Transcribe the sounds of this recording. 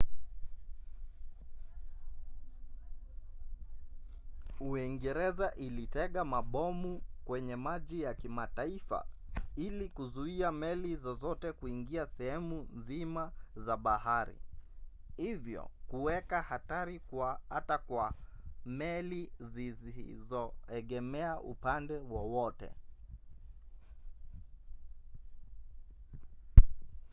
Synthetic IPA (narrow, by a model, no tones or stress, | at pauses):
uiŋɡɛɾɛzaʔilitɛɠamaɓɔmukwɛɲɛmaʄijakimataifa̰ | ilikuzuiamɛlizɔzɔtɛkuiŋɡiasɛhɛmunzimazaɓahaɾḭ | hivjɔ̰kuwɛkahataɾikwaatakwamɛlizizizɔɛɠɛmɛaʔṵpandɛwɔwɔtɛ̰